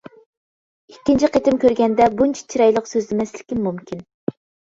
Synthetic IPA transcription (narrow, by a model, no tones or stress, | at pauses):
ikʲːint͡ʃʰiqet̪ɪmkʲøɾɡʲɛnd̪ɛbunt͡ʃʰi̥t͡ʃʰiɾɛjlˠəqsøzlɪmɛslɪkʲimumkʲʰin